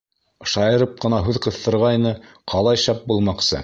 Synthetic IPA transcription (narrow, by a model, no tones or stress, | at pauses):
ʃɑjɤ̆ɾɤp̚qɤ̆nɑɦʉðqɤ̆θːɤ̆ɾʁɑjnɤ | qʰɑlˠɑjʃɑp̚bulˠmɑqsɤ̰